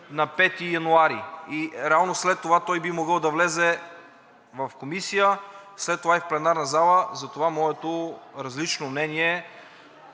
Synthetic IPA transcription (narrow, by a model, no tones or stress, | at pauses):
nɐpɛt̪ijɐnuaɾiiɾɛalˠnoslɛt̪ːovat̪ɔjbimoɡəlˠd̪ɐvlɛzɛ | vɐfkomisijəslɛt̪ːovaifplɛnaɾnɐzalˠəzɐt̪ovamɔɛt̪oɾɐzlit͡ʃnomnɛniɛ